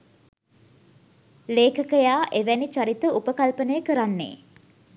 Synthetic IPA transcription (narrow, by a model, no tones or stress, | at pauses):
leːkəkəjaːʔeʋænit͡ʃaɾit̪əupəkalpənəjəkəɾanːḛː